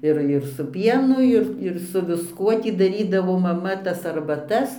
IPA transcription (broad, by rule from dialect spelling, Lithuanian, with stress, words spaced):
ˈɪr ɪr sʊ ˈpʲiɛnʊ ˈɪr ɪr sʊ ʋʲɪsˈkuɔ ˈtʲiː dɐˈrʲiːdɐʋoː mɐˈmɐ tɐs ɐrbɐˈtɐs